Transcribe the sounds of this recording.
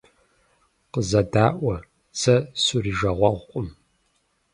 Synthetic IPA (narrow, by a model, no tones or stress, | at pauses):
qəzɐdaːʔʷɐ | t͡sʰɐsuriʒɐʁʷɐʁʷqʷʼʊm